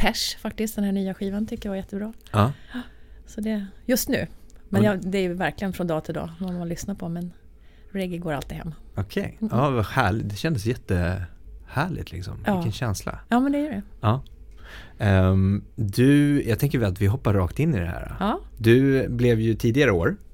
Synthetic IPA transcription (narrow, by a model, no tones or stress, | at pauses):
pʰæʂfak̚t̪ɪst̪̚d̪ɛnhæːɳyːaɧiːvant̪ʰʏkːəjaajɛt̪ːəbɾɑːɑː | sɔd̪ɛjɵst̪nʉ̟ːmɛnjɑd̪ɛæɾjɵvæɾklɪɡənfɾɔnd̪ɑːt̪ʰɪld̪ɑ̰ːɔnmanlʏsnapʰɔmɛn | ɾɛɡɪɡoːɾalt̪ɪhɛ̰mːɔkʰɛ̰jɑːvahæːɭɪd̪ɛʃɕɛnd̪əsjɛt̪ːə | hæːɭɪ̰t̪lɪ̰ksɔ̰mɪkːənɕɛnsla̰jɑːmɛnd̪ɛjœɖɛɑː | d̪ɵjʔɑːt̪ʰɛŋkəɾvɪat̪vɪɦɔpːaɾːɑːkt̪ɪnːɪd̪ɛ̰hæ̰ːɾa̰ɑːd̪ɵblɛvjɵt̪ʰiːd̪ɪɡaɾəoːɾ